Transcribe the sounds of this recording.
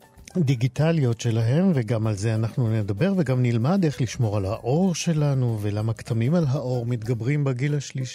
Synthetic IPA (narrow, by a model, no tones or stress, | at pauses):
d̪iɡitalijo̞tʃe̞laɦe̞mveɡamalze̞anaχnunedabe̞ʁveɡamnilmade̞χliʃmo̞ʁalhaʔo̞ʁʃe̞lanuvelamakt̪ʰamimalɦaʔo̞ʁmit̪ɡabʁimbeɡilaʃliʃi